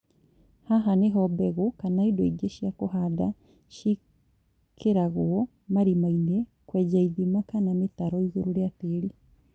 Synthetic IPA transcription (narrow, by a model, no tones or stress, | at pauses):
haɦaneɦɔbɛɣokanaidoiɡeʃiakohada | ʃi | kʰeɾaɣoɔ | maɾimainekwɛd͡ʑaiðimakanametaɾɔiɣoɾoɾeateːɾi